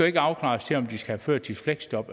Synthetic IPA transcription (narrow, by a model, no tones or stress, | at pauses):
oe̝ɡ̥əɑ̈ʊkʰlɑ̰̈ːst͡sʰe̝ɒ̽md̥isɡ̥æhæføɐ̰d̥̚t͡sʰe̥fleɡ̥sd̥ɒ̽b̥